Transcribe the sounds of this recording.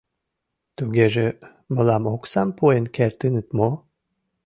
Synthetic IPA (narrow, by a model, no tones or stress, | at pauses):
t̪uɡeʒe | mə̆lɑmoksɑmpʰoenkert̪ɨnɨt̪mo